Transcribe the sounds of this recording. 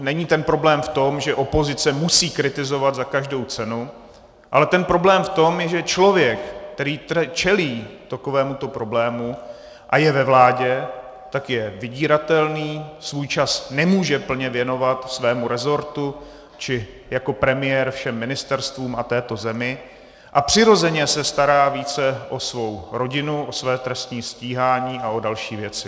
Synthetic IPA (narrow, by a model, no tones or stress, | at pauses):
nɛɲiːt̪ɛnpɾo̞blɛːmft̪o̞mʒɛʔo̞po̞zɪt͡sɛmusiːkɾɪt̪ɪzo̞vad̪zakaʒdo̞wt͡sɛnu | ʔalɛt̪ɛnpɾo̞blɛːmft̪o̞mjɛʒɛt͡ʃlo̞vjɛkt̪ɛɾiːt̪t͡ʃɛliːt̪akovɛːmut̪o̞pɾo̞blɛːmu | ʔajɛvɛvlaːɟɛ | t̪akjɛvɪɟiːɾat̪ɛlniːsvujt͡ʃasnɛmuːʒɛpl̩ɲɛvjɛno̞vat̪svɛːmuɾɛzo̞ɾt̪u | t͡ʃɪ | jako̞pɾɛmɪjɛːɾfʃɛmːɪnɪst̪ɛɾst̪vuːmʔat̪ɛːt̪o̞zɛmɪ | ʔapr̝̥ɪɾo̞zɛɲɛsɛst̪aɾaːviːt͡sɛʔo̞svo̞wɾo̞ɟɪnuʔo̞svɛːt̪ɾɛst̪ɲiːsciːɦaːɲiːʔao̞dalʃiːvjɛt͡sɪ